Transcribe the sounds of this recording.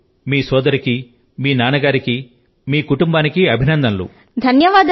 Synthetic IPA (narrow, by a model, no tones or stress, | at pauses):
miːsɔːd̪ɐɾiki | miːnaːnɐɡaːɾiki | miːkuʈumbaːnikiɐbʱinɐnd̪ɐnlṵ | d̪ʱɐnjɐʋaːd̪